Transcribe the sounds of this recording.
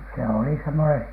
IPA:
se oli semːone

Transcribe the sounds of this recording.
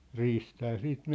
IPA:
riːstæː siːt

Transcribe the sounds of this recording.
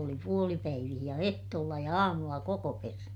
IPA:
oli puolipæiʋih jɑ ehtoːlːɑ jɑ ɑːmulːɑ kokopernɑt

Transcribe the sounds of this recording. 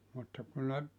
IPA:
mutːɑ ku ne

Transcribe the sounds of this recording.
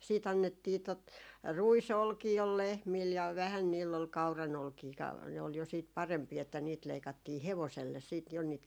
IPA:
siːt ɑnːetːiː tot ruisolkiː ol lehmil jɑ ʋæhæn niːlː ol kɑu̞rɑnolkiː kɑ ne ol jo siːt pɑrempiː etːæ niːt leikɑtːiː heʋoselːes siːt jo niːt

